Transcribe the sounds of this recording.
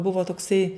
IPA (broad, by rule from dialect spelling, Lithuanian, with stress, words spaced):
ˈbʊʋoː toːkˈsɐɪ